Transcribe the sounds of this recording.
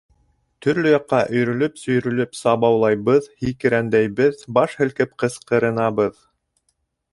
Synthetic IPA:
t̪ɵ̆ɾlɵjɑqːɑʔɵ̆jɾɵ̆lɵpsɵ̆jɾɵ̆lɵpsɑβɑwlˠɑjβɤðhikɘ̆ɾænd̪æjβɘðbɑʃhɘ̆lkɘpqɤ̆sqɤ̆ɾɤ̆nɑβɤð

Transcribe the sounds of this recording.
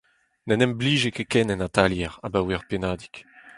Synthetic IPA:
nɛnɛmbliːʒekekɛnɛnat̪aljɛʁa̰bawɛʁpenaːd̪i̥k

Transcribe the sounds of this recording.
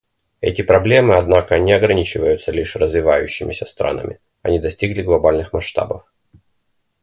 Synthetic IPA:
ɛ̰tʲɪpɾɐblʲe̞mɨɐd̪nakənʲɪɐɡɾɐnʲit͡ɕɪvəjʊt̪səlʲiʂrəzvʲɪvajʉɕːɪmʲɪsʲəst̪ɾa̰nə̰mʲɪ̰ | ɐnʲid̪ɐsʲtʲiɡlʲɪɡlˠɐbalʲnɨxmɐʂt̪a̰bəf

